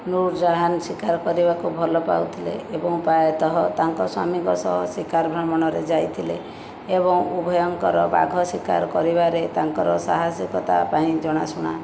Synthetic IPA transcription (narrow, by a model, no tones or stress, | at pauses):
nuɾd͡ʒaɦansikaɾkɔɾibakubʱɔlɔpa̰wt̪ʰilḛːbɔŋpajɔt̪ɔɦɔt̪aŋkɔswa̰miŋkɔsɔ̰ɦɔsikaɾbʱɾɔmɔɽ̃ɔɾed͡ʒajt̪ʰile | ebɔŋubʱɔjɔŋkɔɾɔba̰ɡʱɔsikaɾkɔɾibaɾet̪aŋkɔɾɔsaɦasjɔkɔt̪a̰paĩd͡ʒɔɽ̃asuɽ̃a̰